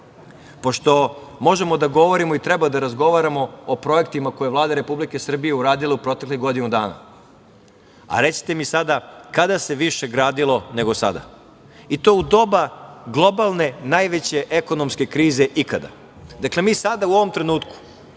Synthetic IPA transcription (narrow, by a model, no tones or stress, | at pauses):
po̞ʃt̪o̞mo̞ʒe̞mo̞d̪aɡo̞ʋo̞ɾimoit̪ɾebad̪aɾazɡo̞ʋaɾamo̞opɾo̞ekt̪imako̞jeʋlaːd̪aɾe̞publike̞sr̩bijeuɾaːd̪ileupɾo̞t̪ekliɦɡo̞d̪inud̪aːna̰ | a̰ɾe̞si̥t̪e̞misad̪akad̪ase̞ʋiʃe̞ɡɾaːd̪ilˠo̞ne̞ɡo̞sa̰d̪a̰ | it̪o̞ːud̪o̞baɡlˠo̞balˠne̞najʋet͡ɕe̞ʔeko̞nomske̞kɾiːze̞ʔikad̪a̰ | d̪akle̞miːsad̪auo̞ʋo̞mt̪ɾe̞nuːt̪ku̥